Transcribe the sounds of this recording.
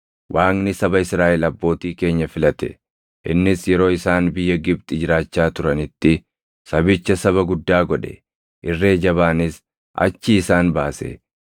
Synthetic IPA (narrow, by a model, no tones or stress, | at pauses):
wʔaːŋnɪsɐbɐɪsɾaːʔɪlɐbːo̞ːt̪iːke̞ːɲːɐfɪlɐt̪ɛ̰ | ʔɪnːɪsjɛɾo̞ːɪsaːnbɪjːɐɡɪb̚t̪ʼɪd͡ʒɪɾaːt͡ʃːaːt̪ʊɾɐnɪt̪ːɪ | sɐbɪt͡ʃːɐsɐβɐɡʊd̪ːaːɡɔᶑɛ̰ | ʔɪrːe̞ːd͡ʒɐβaːnɪs | ʔɐ̰t͡ʃːɪːsaːnbaːsḛ